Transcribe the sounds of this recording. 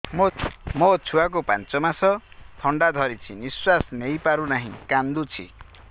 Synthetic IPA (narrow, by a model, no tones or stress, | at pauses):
mmʌt͡sʰuwak̬opant͡sɔmasʌt̪ʰʌɳɖad̪ʱʌɾit͡sʰiniswasnejpaɾunaɦĩkand̪ut͡sʰḭ